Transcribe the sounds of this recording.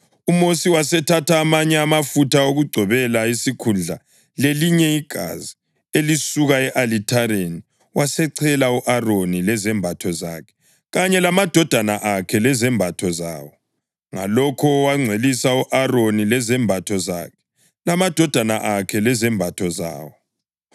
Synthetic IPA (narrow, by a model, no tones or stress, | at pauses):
umosiwasɛtʰatʰaːmaɲɛamafutʰaoɣuɡ͡ǀʱɔβɛlaisikʰund͡ɮʱa̰ | leliɲɛiɡ̥ʱa̰zi | elisuɣaɛʔalitʰaɾeni | wasɛǀʰɛlauʔaronilɛzɛmbʱatʰɔzakʰɛ̥ | ɣaɲɛlamad̥ʱɔd̥ʱanaʔakʰɛlɛzɛmbʱatʰɔza̰ːwɔ | ŋa̰lɔkʰɔwaŋ͡ǀʱwelisauʔaronilɛzɛmbʱatʰɔza̰kʰɛ̥ | lamad̥ʱɔd̥ʱanaʔakʰɛlɛzɛmbʱatʰɔza̰ːwɔ